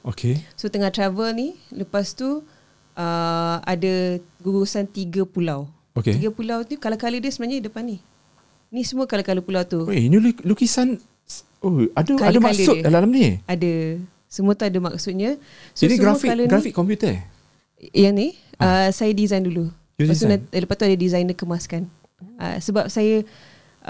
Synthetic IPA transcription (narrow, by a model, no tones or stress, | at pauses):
okʰesot̪əŋaht̪ɾavəlniləpast̪u | əadəɡuɡusant̪iɡəpulaw | okeiɡapulawnikalakalədəsəmənaɲadəpani | nisəmuəkalakaləpulawt̪uoenilulukisan | oadəkadəmaləuəalalamniadə | səmuət̪uadəma̰ksut̪̚ɲa | sonisɡɾafialənɡɾafikkːɔmpjut̪ə | jaŋni | əsajadizajndulu | asunaləpat̪uadədizajnəkəmaskan | ə̰səbap̚sajə